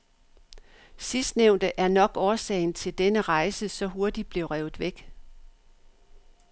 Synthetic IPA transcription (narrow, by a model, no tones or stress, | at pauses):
sisd̥neʊnd̥əʔæɐnɒ̽ɡ̥ɒːsɛ̰ɪn̩t͡sʰe̝ld̥enəʁɑ̈ɪsəsɒ̽ɦo̝ɐd̥id̥̚b̥le̝ʊʁɛʊð̩ˠʋeɡ̥